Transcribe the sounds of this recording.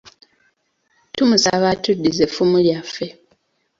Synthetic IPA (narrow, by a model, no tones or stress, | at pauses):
tumusaβatudːizefumuljafe̞